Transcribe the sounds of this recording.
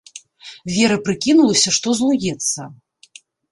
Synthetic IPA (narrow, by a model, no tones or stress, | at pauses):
vʲɛɾɐpɾɨkʲinulˠɐsʲɐʂt̪ɔzlˠujʲɛt̪sːɐ